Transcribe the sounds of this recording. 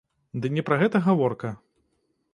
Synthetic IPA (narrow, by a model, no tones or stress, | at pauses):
d̪ɨnʲɛpɾɐɣɛt̪ɐɣavɔrkɐ